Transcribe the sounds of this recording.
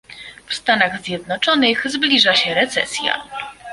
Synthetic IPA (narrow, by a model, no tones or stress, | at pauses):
fst̪anaɣzʲjɛd̪nɔt͡ʂɔnɘxzblʲiʐaɕɛɾɛt̪sɛ̰sʲja̰